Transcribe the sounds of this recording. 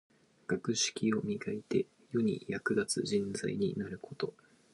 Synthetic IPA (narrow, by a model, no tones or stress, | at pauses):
ɡ̥akɯ̟ɕi̥kʲio̞mʲiɡait̪e̞ | jo̞ɲ̟ḭjakɯ̟ɡat͡sɨʑĩnd͡za̰iɲ̟inaɾɯ̟ko̞t̪o̞